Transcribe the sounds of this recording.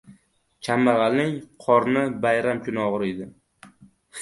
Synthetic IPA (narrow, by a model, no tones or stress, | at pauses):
t͡ʃʲʰamːaʁɑlnɪŋqʰɒɾnɪbajɾamkʰʊnɒʁɨɾid̪ɪ